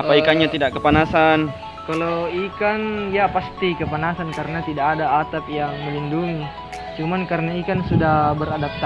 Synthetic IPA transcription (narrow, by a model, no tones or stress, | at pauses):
apaikaɲat̪idaʔkəpanasan | kaloikanjapast̪ikəpanasankaɾənat̪idakadaːt̪ap̚jaŋməlinduŋi | t͡ʃumankaɾənaikansudahbəɾadap̚t̪a